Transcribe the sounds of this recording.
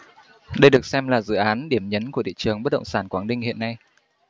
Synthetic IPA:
ɗə˧jɗɨ˨˩ək̚sɛ˧mlaː˨˩zɨ̰˧˨ʔaː˨˦nɗi˧˩əmɲə˨˦nku˧˩ət̪ʰḭ˧˨t͡ɕɨ˨˩əŋɓə˦˥ɗə̰˧˨ŋ͡msaː˧˩nkwaː˨˧˦nɗï˧ŋ̟hḭ˧˨ənːa˧j

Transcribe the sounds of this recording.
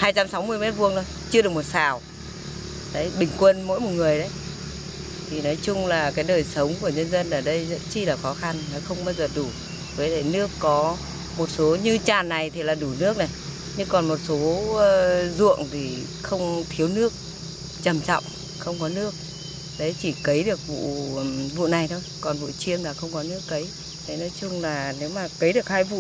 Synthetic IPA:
haː˧jt͡ɕa˧msa˨˦wmɨ˧əjmɛ˦˥t̚vu˧əŋt̪o˨˦jt͡ɕɨ˧əɗɨ˨˩əkmo˨˩t̚saː˨˩w | ɗə˨˦jɓï˨˩ŋ̟kwə˧nmo̰˧˥jmo˨˩t̚ŋɨ˨˩əjɗə˨˦j | t̪ʰi˨˩nɔ˨˦jt͡ɕʊ˧ŋ͡mlaː˨˩kaː˨˦jɗəː˨˩jsə˨˦wŋ͡mku˧˩əɲə˧nzə˧nʔəː˨˩ɗə˧jzə̰˧˥nt͡ɕi˧˩laː˨˩xɔ˨˦xa˧nːɔ˨˦xə˧wŋ͡mɓaː˧wzəː˨˩ɗu˧˩ | vəː˨˦tʰe˧˩nɨ˦˥əkːɔ˨˦ | mo˨˩t̚so˨˦ɲɨ˧t͡ɕaː˨˩nːa˨˩jt̪ʰi˨˩laː˨˩ɗu˧˩nɨ˦˥ək̚na˨˩j | ɲɨ˧ŋkɔ˨˩nmo˨˩t̚so˨˦˧ | zṵ˧˨əŋt̪ʰi˨˩ | xə˧wŋ͡mt̪ʰi˨˦əwnɨ˦˥ək̚ | t͡ɕə˨˩mt͡ɕɔ̰˧˨wŋ͡m | xə˧wŋ͡mkɔ˨˦nɨ˦˥ək̚ | ɗə˨˧˦jt͡ɕi˧˩kə˨˦jɗɨ˨˩ək̚vṵ˧˨vṵ˧˨na˨˩jt̪ʰo˧jkɔ˨˩nvṵ˧˨t͡ɕi˧ənlaː˨˩xə˧wŋ͡mkɔ˨˦nɨ˦˥əkːə˨˦j | ɗə˨˦nɔ˨˦jt͡ɕʊ˧ŋ͡mlaː˨˩ne˨˦wmaː˨˩kə˨˦jɗɨ˨˩ək̚haː˧jvṵ˧˨

